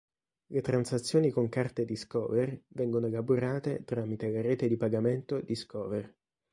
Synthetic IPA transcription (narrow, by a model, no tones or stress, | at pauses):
let̪ɾansat̪sːjoːnikoŋkart̪ed̪iskɔ̰ːvervɛŋɡonoelaboɾaːt̪et̪ɾaːmit̪elaɾɛːt̪ed̪ipaɡament̪od̪iskɔːver